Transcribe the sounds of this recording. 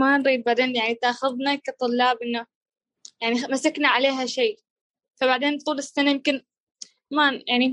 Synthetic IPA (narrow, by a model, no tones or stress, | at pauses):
manɾiːd̪̚baʕd̪eːnjaʕnit̪ʔaxʊðˤnakat̪ˤʊlːɑːbʔɪnːa | jaʕnimasaknaʕaleːɦaʃiː | fabaʕd̪eːnt̪ˤuːlɪsːanajɪmkɪn | majaʕni